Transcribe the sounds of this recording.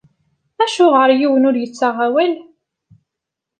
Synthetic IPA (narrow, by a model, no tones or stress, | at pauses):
æʃʊʁəɾjiwənʊɾjət͡sːaʁawæl